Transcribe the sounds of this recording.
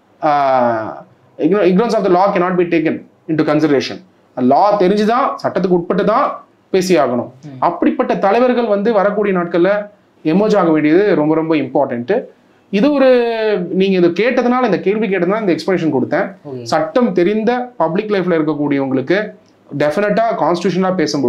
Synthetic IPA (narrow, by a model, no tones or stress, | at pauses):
ɪnɪŋɡɾɐnsɔːfd̪ɐlaːkɛnaːʈ̚biːʈeːk̬ɐn | ɪɳʈukɐnsɪɽɐɾeːʂɐ̰n | laːt̪ɛɾɪɲd͡ʒɯt̪ãːsɐʈːɐt̪ːɯk̬ːɯʊʈ̚pɐʈːɯt̪ːãː | peːsɪjaːɣɐɳʊ̰̃mɐpːɐɽɪpːɐʈːɐt̪ɐlɐɪʋɐɾɣɐɭʋɐnd̪ɯʋɐɾɐk̬ːuːɽɪjɐnaːʈ̚kɐɭːɐ | ɛmɐɾd͡ʒaːɣɐʋeːɳɖɪjɐðɯɾɔmbɐɾɔmbɐɪmpaːɾʈɐɳʈ | ɪðɯɔɾɯniːŋɡɐɪðɯkeːʈːɐðɯnaːlɐɪnd̪ɐkeːɾʋik̬eːʈːɐðɯnːaːɪnd̪ɐɛkspɐneːʂɐnkɔɽɯt̪ːẽːsɐʈːɐmt̪ɛɾɪnd̪ɐpɐblɪkːlɐɪflɐɪɾɯk̬ːɐkːuːɽɪjɐʊŋɡɐɭɯkːɯ | ɖɛfɪnɛʈːaːkaːnsʈɪ̥ʈjuːʂ̬ɐnɐlaːpeːsɯmbɔ